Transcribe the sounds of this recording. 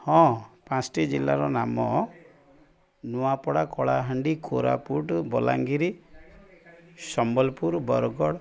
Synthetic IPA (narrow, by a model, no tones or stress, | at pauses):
hɔ̃pãsʈid͡ʒilːaɾɔnamɔ | nuapɔɽakɔɭaɦaɳɖikʰoɾa̰puʈbɔla̰ŋɡiɾi | sɔmbɔlpuɾbɔɾɡɔɽ